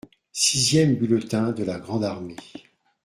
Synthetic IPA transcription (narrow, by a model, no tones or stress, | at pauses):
sizjɛmbylət̪ɛ̃d̪əlaɡʁɑ̃d̪aʁme